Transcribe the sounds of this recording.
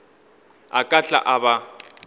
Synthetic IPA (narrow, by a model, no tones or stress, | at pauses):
a̰kʼaɬʼa̰ʔaba